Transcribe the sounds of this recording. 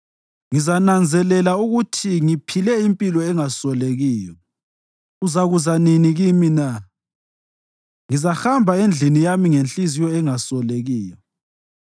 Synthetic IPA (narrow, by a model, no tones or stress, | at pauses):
ŋizanand͡zʱɛlɛlauɣutʰiŋipʰilɛimpʼilɔɛŋasɔleɣiːjɔ | uzaɣuzaniniɣimina | ŋizaxambʱaend͡ɮʱinijamiŋenɬizijɔɛŋasɔleɣiːjɔ